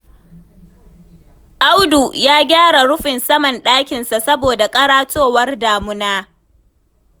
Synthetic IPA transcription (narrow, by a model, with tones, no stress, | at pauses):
ʔa˦wdu˨jaː˦ɡʲaː˦ɽa˨ɽʊ˦ɸɪ˨nsɐ˦mɐ˨nɗaː˦kʲɪ˨nsa˨sɐ˦boː˨da˨kʼɐ˦ɽaː˦tʰoː˦˨wɐ˦rdaː˨mʊ˦naː˦